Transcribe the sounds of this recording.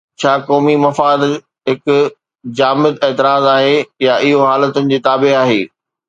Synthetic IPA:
t͡ɕʰaːkɔːmimɐfaːd̪ | ɦɪk | d͡ʑaːmɪd̪ɛːt̪ɪɾaːzaːɦejaʔɪɦoɦaːlət̪ənɪ̆d͡ʑiːt̪aːbeɦaːɦeː

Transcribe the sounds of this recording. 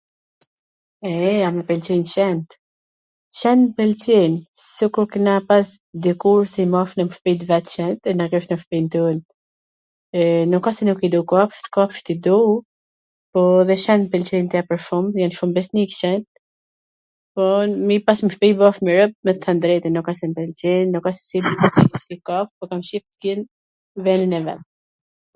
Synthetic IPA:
ɛamipɛnt͡ʃint͡ʃɛnt̪ | t͡ʃɛnpɛlt͡ʃɛnsikuɾkənapasd̪ɛkuɾsɛimɔfnəməfpit̪vɛt̪ʃɛnt̪ɛnaɡɛʃnəfpint̪un | nukɔsɛnukid̪ukɔfʃt̪kɔft̪id̪u | pɔðɛʃɛnpɛlt͡ʃɛjnt̪apəɾfumjanfumbɛsnikʃɛnt̪ | pɔmipasməfpijbɔfmiɾəp̚mɛt̪θand̪ɾɛt̪ɛnukasɛmpɛlt͡ʃɛnnːukasɛ̥sid̪iksɛut̪ikɔfpɔkamʃift̪kin | vɛninɛvɛ̰t̪̚

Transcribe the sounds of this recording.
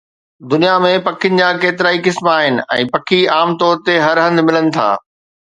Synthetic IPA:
d̪ʊnijamẽpɐkʰɪənɪ̆d͡ʑaːkeːt̪ɪɾaːikɪsmaːɦɪnɪ̆ɛ̰̃ːpɐkʰiaːmt̪ɔːɾt̪eɦɐɾɦɐ̃nd̪mɪlənɪ̆t̪ʰa̰ː

